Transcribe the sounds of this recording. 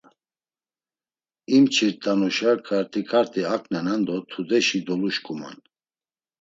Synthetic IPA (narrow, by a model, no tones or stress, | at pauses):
imt͡ʃʰiɾd̪ʼanɔʃakʰaɾt̪ʰʼikʰaɾt̪ʰʼiakʰʼnɛnand̪ɔt̪ʰud̪ɛʃid̪ɔluʃkʼuma̰n